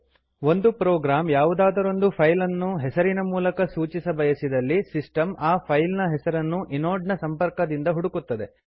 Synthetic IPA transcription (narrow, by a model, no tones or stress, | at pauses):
o̞nd̪upɾoːɡɾaːmjaːʋud̪aːd̪ɐɾo̞nd̪upʰɐjlɐnːuɦɛsɐɾinɐmuːlɐkɐsuːt͡ʃisɐbɐjɐsid̪ɐlːisisʈɐmaːpʰɐjlnɐɦɛsɐɾɐnːuʔinoːɖnɐsɐmpɐɾkɐd̪ind̪ɐɦuɽukut̪ːɐd̪e̞